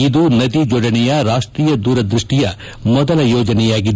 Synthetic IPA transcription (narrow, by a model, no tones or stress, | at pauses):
id̪unɐd̪id͡ʒɔɽɐnɛjɐɾaːʂʈɾiːjɐd̪uːɾɐd̪ɾiʂʈijɐ | mɔd̪ɐlɐjɔːd͡ʒɐnɛjaːɡid̪